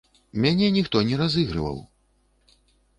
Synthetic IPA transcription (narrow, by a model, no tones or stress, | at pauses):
mʲanʲɛnʲixt̪ɔnʲɛɾazɨɣɾɨ̰vɐ̰w